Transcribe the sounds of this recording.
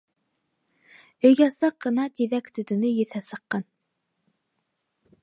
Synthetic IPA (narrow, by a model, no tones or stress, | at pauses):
ɵ̆jɡɑsɑqːɤ̆nɑt̪iðækt̪ʰɵ̆t̪ɵ̆nɵjɵ̆θæsɤ̆qːɑn